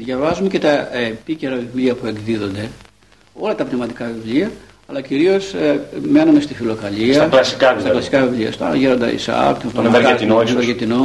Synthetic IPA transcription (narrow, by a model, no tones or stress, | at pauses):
ðʝɐvɐzumece̞t̪ɐepice̞ɾɐvivliɐpue̞ɡðiðo̞nd̪e̞ | o̞lɐt̪ɐpnemɐt̪ikɐvivliɐ | ɐlɐciɾio̞sme̞nume̞st̪ifilo̞kɐliɐklɐsi̥kɐst̪ɐklɐsi̥kɐvivliɐ̰st̪ɐʝeɾo̞nd̪ɐ̰ḭsɐ̰kt̪opeɾt̪inoɐɾɣet̪ino